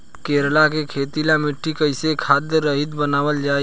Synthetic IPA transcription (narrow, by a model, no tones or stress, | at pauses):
keːɾlakekʰeːt̪ilamɪʈʰːikəɪsekʰaːd̪əɾəɦɪd̪bənaːʋəld͡ʒaːe